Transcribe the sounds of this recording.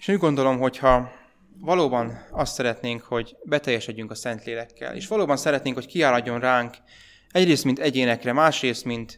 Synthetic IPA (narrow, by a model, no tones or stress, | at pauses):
eʃuɟɡo̞nd̪o̞lo̞mɦo̞chɒ | vɒloːbɒnɒst̪sɛɾɛt̪neːŋkho̞ɟbɛt̪ɛjːɛʃɛɟːyŋkɒsɛnt̪leːlɛkːɛ̰lḛːʃʋɒloːbɒnsɛɾɛt̪neːŋkho̞ckiaːlɒɟːo̞nraːŋk | ɛɟreːst̪mint̪ɛɟeːnɛkrɛmaːʃreːst̪mint̪